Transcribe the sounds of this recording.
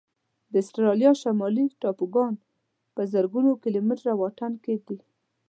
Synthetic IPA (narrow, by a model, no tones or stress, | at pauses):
d̪əɪsʈɾɑljɑʃamɑliʈɑpuɡɑn | pəzəɾɡunokɪlomɪʈɾawaʈ̪anked̪i